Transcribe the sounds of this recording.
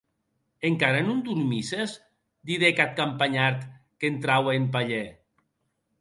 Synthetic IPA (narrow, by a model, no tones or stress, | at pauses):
eŋkaɾanund̪uɾmisez | d̪iɾekat̪̚kampaɲaɾt̪ | kent̪ɾaweemp̬aʎe